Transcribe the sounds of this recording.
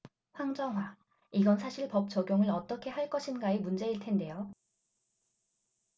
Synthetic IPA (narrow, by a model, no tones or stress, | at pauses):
ɸwaŋd͡ʑʌŋɦwa | iɡʌnsʰaɕʰiɭpʌp̚t͡ɕʌɡjoŋɯɭʌt͈ʌkʰe̞ɦaɭk͈ʌɕʰinɡaemund͡ʑe̞iɭtʰe̞nde̞jo